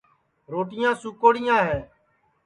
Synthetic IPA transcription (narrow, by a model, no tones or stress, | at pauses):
ɾoːʈɪjãːsʊkoːɽɪjãːɦeː